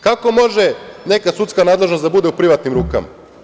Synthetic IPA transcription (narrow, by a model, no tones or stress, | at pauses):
kako̞mo̞ʒene̞kasut̪skanaːd̪le̞ʒnost̪d̪abud̪eupɾiʋat̪nimɾuːka̰ma̰